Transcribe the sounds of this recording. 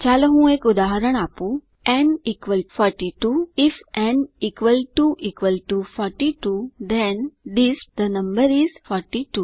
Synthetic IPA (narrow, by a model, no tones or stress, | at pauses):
t͡ɕalɦũekud̪aɦəɾəɳ̃apũ | ɛ̃nikʋəlfɔɾʈiʈuifɛ̃nikʋəlʈuʔikʋəlʈufɔɾʈiʈud̪ɛ̃nd̪isd̪ənɐ̃mbəɾizfɔɾʈiʈu